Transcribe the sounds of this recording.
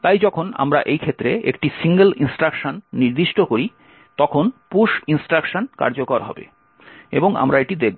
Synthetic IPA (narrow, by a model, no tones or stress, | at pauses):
t̪ajd͡ʑɔkʰona̰mɾa̰ʔejkʰet̪ːɾeekʈisiŋɡelinsʈɾakʃonːiɾd̪iʃʈokoɾi | t̪ɔkʰonpuʃinsʈɾakʃonka̰ɾd͡ʑokɔɾɦɔ̰bḛ | ḛboŋa̰mɾaeʈid̪ek̚ʰbo